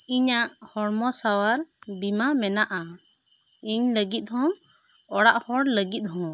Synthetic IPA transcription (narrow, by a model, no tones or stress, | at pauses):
iɲaʔhɔɽmɔsawaɾ | bimamɛnaʔa | iɲləɡit̪̚ˀhɔm | ɔɽaʔhɔɽləɡit̪̚ˀhɔŋ